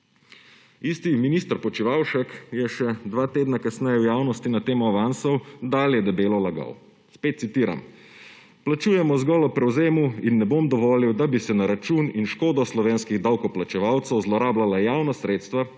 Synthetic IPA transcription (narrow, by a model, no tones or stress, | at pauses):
ist̪iminiːst̪ɾpɔt͡ʃiʋaːwʃɛkjɛʃɛd̪ʋaːt̪eːd̪nakasnɛjɛwjaːwnɔst̪inat̪eːmɔaʋansɔwd̪aːljɛd̪ɛbeːlɔlaɡa̰w | speːt̪sit̪iːɾa̰m | plat͡ʃuːjɛmɔzɡɔlɔpɾɛwzeːmuinːɛbomd̪ɔʋɔːliwd̪abisɛnaɾat͡ʃuːninʃkoːd̪ɔslɔʋeːnskiɣd̪awkɔplat͡ʃɛʋawt̪səwzlɔɾaːblalajaːwnasɾeːt̪st̪ʋa